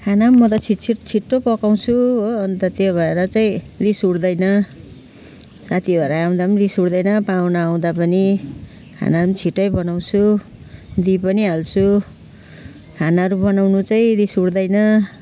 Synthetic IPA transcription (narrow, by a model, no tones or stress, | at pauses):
kʰanamːʌt̪ʌt͡sʰit͡sʰiʈt͡sʰiʈːopʌkaw̃t͡sʰuɦoʌnt̪ʌt̪jobʱʌeɾʌt͡saĩrisuɽd̪ʌjnʌ | sat̪ʰibʱʌeɾaːw̃d̪apʌnirisuɽd̪ʌjnʌpawnaːw̃d̪apʌni | kʰa̰namt͡sʰiʈːʌjbʌnaw̃t͡sʰu | d̪ipʌniɦalt͡sʰu | kʰanaɾubʌnawnut͡saĩrisuɽd̪ʌjnʌ